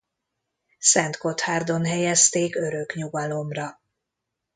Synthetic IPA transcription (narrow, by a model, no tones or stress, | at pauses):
sɛnt̪ko̞t̪haːrd̪o̞nɦɛjɛst̪eːkø̞ɾø̞kɲuɡɒlo̞mrɒ